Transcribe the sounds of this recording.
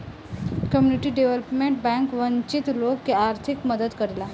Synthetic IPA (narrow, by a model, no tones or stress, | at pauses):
kəmjuniʈiːɖeʋələpmeɳʈ̚bɛ̃ŋkʋəɲt͡ɕit̪lokːiaɾt̪ʰikməd̪əd̪kəɾila